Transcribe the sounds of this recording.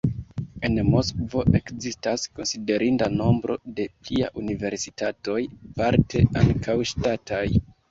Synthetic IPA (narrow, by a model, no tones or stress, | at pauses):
e̞nmo̞skvo̞ʔe̞kzistasko̞nside̞ɾindano̞mbɾo̞̰de̞plia̰ʔunive̞ɾsi̥tato̞jpaɾte̞ʔaŋkʰawʃtatʰaj